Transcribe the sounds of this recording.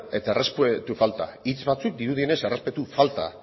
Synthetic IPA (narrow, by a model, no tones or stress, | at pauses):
e̞t̪aerespwet̪ufalt̪a̰it͡sbat͡suk̚d̪iɾuð̞iene̞se̞re̞spe̞t̪ufalt̪a̰